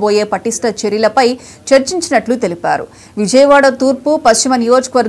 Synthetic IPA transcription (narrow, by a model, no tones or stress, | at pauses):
boːje̞ːpɐʈisʈɐt͡ʃeɾjilɐpɐj | t͡ʃɐɾt͡ʃiɲt͡ʃinɐʈlut̪e̞lipa̰ːɾṵ | ʋid͡ʒɐjɐʋaːɽɐt̪uːɾpupɐst͡ʃimɐnijo̞ːd͡ʒɐ̥kɐʋɐɾ